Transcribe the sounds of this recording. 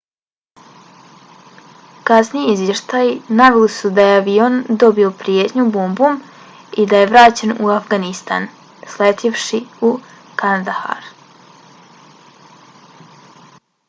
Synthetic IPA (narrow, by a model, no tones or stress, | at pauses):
kasnijeizʋje̞ʃt̪ajinaʋelisud̪aje̞aʋio̞nd̪o̞bio̞pɾijet̪ɲubombum | id̪aje̞ʋɾaːt͡ɕe̞nuafɡanist̪a̰n | slet̪ʰiʋʃiu | kanad̪aha̰ɾ